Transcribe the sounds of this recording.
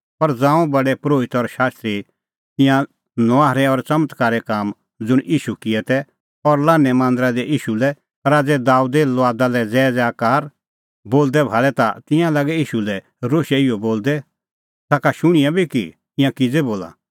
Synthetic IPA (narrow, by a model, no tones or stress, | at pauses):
pɐɾd͡zãːũbɐɖɛpɾoːʋɪt̪ɔɾʃaːst̪ɾi | t̪ɪ̃jã | nɔaːɦɾɛɔɾt͡sɐmət̪kaːɾɛkaːm | d͡zʊɽ̃ʔiːʃukɪɛt̪ɛ | ɔɾlaːnːɛmãːnd̪əɾad̪ɛʔiːʃulɛ | ɾaːd͡zɛd̪aːud̪elɔaːd̪alɛd͡zɛːd͡zɛaːkaːɾ | boːld̪ɛbʱaːlɛt̪at̪ɪ̃jãlɐɡɛiːʃulɛ | ɾoːʃɛɪjɔboːld̪ɛ | t̪aːkaʃʊɽ̃ɪjãbʱiki | ɪ̃jãkɪd͡zɛboːla̰